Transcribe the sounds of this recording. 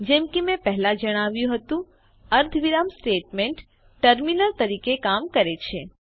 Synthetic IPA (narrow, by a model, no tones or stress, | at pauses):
d͡ʒemkimẽpəɦlad͡ʒəɽ̃aʋjũɦət̪ũ | əɾd̪ʱʋiɾamsʈeʈmẽɳʈ | ʈəɾminəɾt̪əɾikekamkəɾet͡ʃʰe